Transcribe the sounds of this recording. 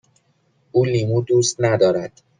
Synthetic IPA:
ʔuːliːmuːd̪uːst̪næd̪ɒːɾæd̪̥

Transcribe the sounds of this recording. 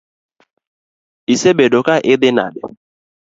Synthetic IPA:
isebedokaʔɪdɪna̰dɪ̰

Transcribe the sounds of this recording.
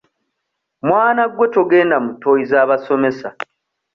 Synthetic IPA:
mwaːnaɡwe̞to̞ɡe̞ːndamuto̞jizaːβaso̞me̞sa

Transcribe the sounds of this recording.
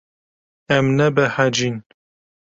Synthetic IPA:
ɛmnɛbɛhad͡ʒin

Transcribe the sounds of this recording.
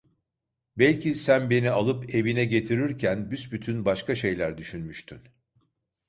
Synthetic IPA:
bɛlʲcisænbe̞nialˠɯpe̞vinɛɟe̞t̪ʰiɾiɾcʰænbysbyt̪ʰynbaʃkaʃe̞jlʲæɾd̪yʃynmyʃt̪ʰyn

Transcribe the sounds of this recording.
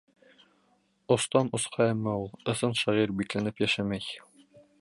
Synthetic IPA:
ŏst̪ɑnŏsqʰɑæmːæulˠɤ̆sɤnʃæʁiɾbiklænɘpjæʃæmæj

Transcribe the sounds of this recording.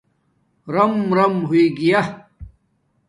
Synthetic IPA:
ɾɐmɾɐmɦuiɡija

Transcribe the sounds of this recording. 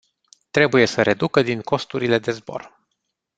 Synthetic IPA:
t̪ɾe̞buje̞səɾʔe̞d̪ukəd̪iŋko̞st̪uɾile̞d̪e̞zbo̞̰r

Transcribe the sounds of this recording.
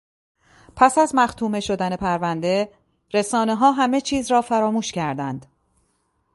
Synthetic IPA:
pʰæsæzmæxt̪ʰuːme̞ʃo̞d̪æne̞pʰæɾvænd̪e̞ | ɾesɒːne̞ɦɒːɦæme̞t͡ʃʰiːzɾɒːfæɾɒːmuːʃcæɾd̪ænd̪̥

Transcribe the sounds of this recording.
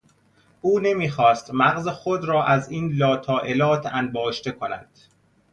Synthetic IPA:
ʔuːne̞miːxɒːst̪mæɣzexod̪ɾɒːʔæziːnlɒːt̪ʰɒːʔelɒːt̪ʰænbɒːʃt̪e̞kʰonæ̰nd̪̥

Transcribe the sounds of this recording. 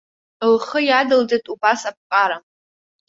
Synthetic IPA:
lχəjadɨld͡zetʼubasap̚qʼaɾa

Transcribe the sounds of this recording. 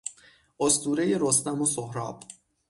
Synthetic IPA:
ʔost̪uːɾeje̞ɾost̪æmosohɾɒ̰ːb̥

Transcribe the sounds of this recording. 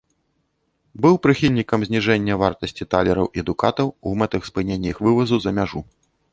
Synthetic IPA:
bɨwpɾɨxʲilʲnʲikɐmzʲnʲiʐɛnʲːɐvart̪ɐsʲt͡sʲit̪alʲɛɾɐwʔiɛɐd̪uka̰t̪ɐwumɛt̪ɨxspɨnʲenʲːɐixvɨvɐzuzɐmʲaʐu

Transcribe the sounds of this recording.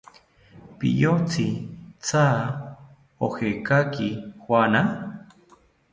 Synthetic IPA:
pḭjot͡sit͡sa | ohekakihwana

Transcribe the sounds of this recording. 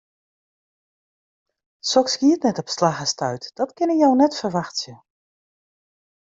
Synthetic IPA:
sɔkskiətnɛtɔpslaɣəstœɥtd̥ɔtkɪnəjɔwnɛtfərʋaxtsjə

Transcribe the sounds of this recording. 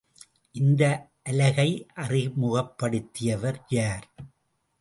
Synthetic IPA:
ʔɪnd̪ɐ | ʔɐlɐɣɐɪʔɐrɪmʊɣɐpːɐɽɯt̪ːɪjɐʋɐɾjaːɾ

